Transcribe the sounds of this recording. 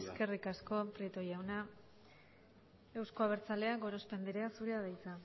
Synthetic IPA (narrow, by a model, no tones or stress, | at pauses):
ske̞rikasko̞pɾit̪o̞jawna | e̞wsko̞aβ̞e̞ɾt͡sale̞aɡoɾo̞spe̞nd̪iɾeasuɾeaðajt͡sa